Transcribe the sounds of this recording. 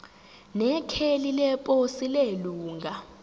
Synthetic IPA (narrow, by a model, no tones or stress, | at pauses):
nɛkʰelilɛpʼosileluːŋɡʱa